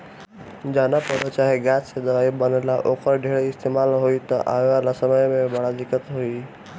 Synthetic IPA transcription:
d͡ʒanapəɾət͡ʃaɦeɡat͡ssed̪əʋaibənelaʔokəɾɖʱeɭeɪst̪emalɦoit̪ə̰ʔa̰ʋalasəməjmẽbəɽad̪ikət̪ɦoi

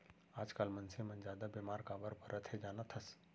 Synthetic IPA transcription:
aːd͡ʒkaːlmɐnsemɐnd͡ʒaːd̪abemaːɾkaːbəɾpɐɾʔət̪ʰed͡ʒaːnat̪ʰɐs

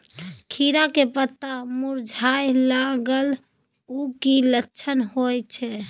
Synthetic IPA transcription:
kʰiɾakepət̪ːamuɾd͡ʒʱajlaɡəl | ukilətːʃʰənɦojt͡ʃʰɛ

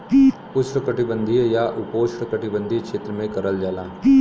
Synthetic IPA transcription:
pʊsʈəkɐʈɪbə̃nd̪ʱijaʔʊpoːsʈɾəkɐʈɪbə̃nd̪ʱikʃeːt̪ɾəmẽkɐɾəld͡ʒaːlaː

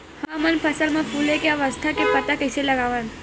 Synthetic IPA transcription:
hãmənpʰəsəlmãpʰulekeəʋəst̪ʰakepət̪akɐseləɡaʋən

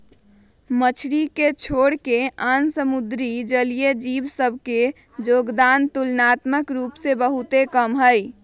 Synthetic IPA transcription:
mət͡ʃʰɾiket͡ʃʰoːɽkeansəmud̪ɾid͡ʒəlijed͡ʒibsəbʱke | d͡ʒoɡd̪ant̪ulnat̪məkɾuːpsebəɦut̪ekəmɦəj

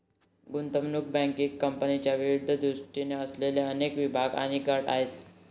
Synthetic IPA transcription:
ɡunt̪əmnuk̚bɛ̃ŋkikkːəmpənit͡ɕjaʋiɾud̪ʱːəd̪ɾuʂʈineəsleljaənekʋibʱaɡa̰ɽ̃iɡaʈa̰ɦet̪

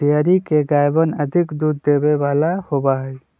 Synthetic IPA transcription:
ijaːɾikeɡaːjbənɐd̪ʱɪkd̪uːd̪ːeːbeʋaːlahobaɦɛː

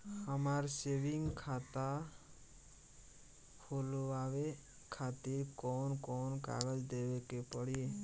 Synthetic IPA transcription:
amaɾsebiŋkʰat̪a | holuabe | kʰat̪iɾkɔnkɔnka̰ɡɔd͡ʒd̪ebekepɔɽie

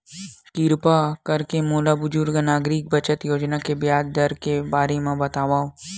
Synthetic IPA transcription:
kiɾpakɐɾkemoːlabʊd͡ʒʊɾɡanaːɡɾik̚bɐt͡ʃət̪joːd͡ʒnakebjaːd̪d̪ɐɾkebaːɾemãbɐt̪aːʋaːo

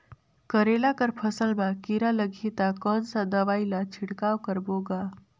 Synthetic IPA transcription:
kəɾelakəɾpʰəsəlmakiɾaləɡʱit̪akənsãd̪əʋailat͡ʃʰiɽkawkəɾboɡa

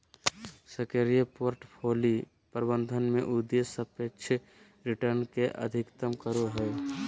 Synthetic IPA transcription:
səkeɾijəpoːɾʈpʰoːli | pəɾbə̃nd̪ʱənmẽʔud̪esəpekt͡ʃʰ | ɾɪʈəɾnkeʔə̰d̪ʱɪkt̪əmkəɾoɦɛe

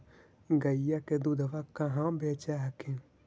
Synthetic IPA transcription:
ɡɐijaked̪ud̪ʱəʋakaɦãbeːt͡ʃaɦkʰẽ

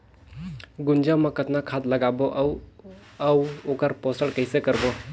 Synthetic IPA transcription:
ɡund͡ʒamakɐt̪̚nakʰat̪lɐɡabɔʔw | awɔkaɾpɔsəlkɐjsekɐɾbɔ

